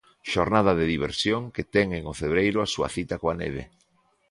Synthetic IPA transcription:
ʃoɾnaðaðeðiβ̞ḛɾsjoŋket̪ɛŋeŋofeβɾejɾʊasua̰θit̪akoanḛβ̞ḛ

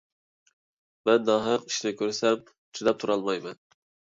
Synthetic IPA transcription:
mɛnːɑɦəqiʃlɪkʲʰøɾsɛm | t͡ʃʰid̪ɛp̚t̪ʰuɾɑlˠmɑjmɛn

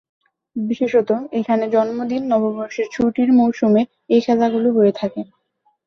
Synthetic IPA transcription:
biʃeʃot̪oekʰaned͡ʑɔnmod̪inːɔboboɾʃiɾt͡ɕʰuʈiɾmowʃume | ejʃad̪aɡuloɦoet̪ʰake

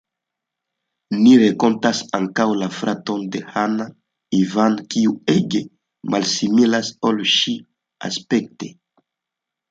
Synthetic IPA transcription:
niɾeko̞ntasaŋkawlafɾato̞nde̞hana | ivankiueɡe | malsimilasolʃi | a̰spekte

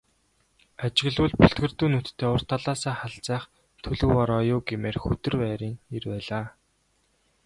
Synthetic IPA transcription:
at͡ɕɪ̆ɣɮʊːɮpuɬt̪̚ɡɘ̆rt̪uːnut̪t̪ʰːeːʊr̥t̪ʰaɮaːsæːχaɮt͡sæːχ | t̪ʰɵɮɵ̆wɔɾɔːjʊːɡemeːrxɵt̪ɘ̆rpæːɾiːŋirpæːɮaː

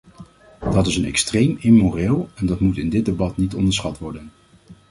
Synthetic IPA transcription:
d̥ɑtɪsənɛ̰kstrejmɪmorɪːlˠɛndɑtmutɪndɪd̚debɑtnitɔndəɹsχɑtʋɔɹdən

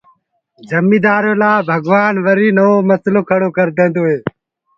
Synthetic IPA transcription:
d͡ʒəmiːd̪aːɾõːlaːbʱəɡʋaːnʋəɾiːnəoːməsloːkʰəɽoːkəɾd̪ẽːnd̪oːɦeː

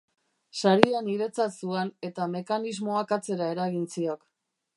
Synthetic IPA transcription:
saɾianiɾe̞t͡sat̪suene̞t̪ame̞kanizmo̞akat͡se̞ɾaeɾaɣint͡siok

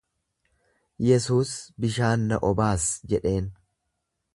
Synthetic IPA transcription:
jɛsuːsbɪʃaːnːɐʔɔbaːsd͡ʒɛᶑe̞ːn

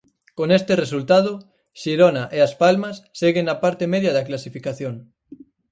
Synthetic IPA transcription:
konest̪eresult̪að̞o | ʃiɾonaʔeaspalmasːeɣeŋapaɾt̪emeðjaðɐklasifikaθjoŋ

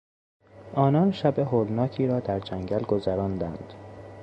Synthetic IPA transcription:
ʔɒːnɒːnʃæbeɦoːlnɒːcʰiːɾɒːd̪æɾd͡ʒæŋɟælɡo̞zæɾɒːnd̪ænd̪̥

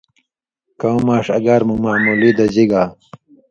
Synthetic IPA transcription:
kɐw̃maːʂɐɡaɾmumaːmulid̪ɐd͡ʑiɡa

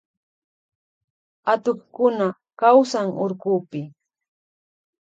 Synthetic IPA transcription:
at̪oχkʊna | kawsaŋʊɾkʊːpɪ

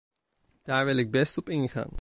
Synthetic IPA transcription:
d̥aːɹʋɪlɪɡ̚bɛstɔpɪŋəχa̰ŋ

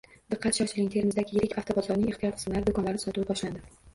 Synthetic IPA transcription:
d̪̥ɨqʰːɑt̪ʃaʃɪlɪŋʲt̪ʰe̞ɾmɪzd̪aɡʲɪjɪɾɪkʲʰaft̪ʰobɒzɒɾnɪŋeχt̪ʰiɒɾqʰɨ̥mlaɾɪd̪okʰɒnlaɾnɪsɒt̪ʊwabɒʃland̪ɪ

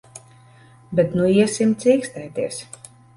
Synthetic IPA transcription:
bɛt̪nuiɛsimt̪siːkst̪ɛjt̪iɛs

